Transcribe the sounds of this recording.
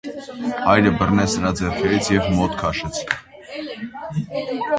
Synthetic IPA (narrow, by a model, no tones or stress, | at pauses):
hɑjɾəbərnɛt͡sʰnəɾɑd͡zɛɾpʰɛɾit͡sʰjɛvmɔt̪kʰɑʃɛt͡sʰ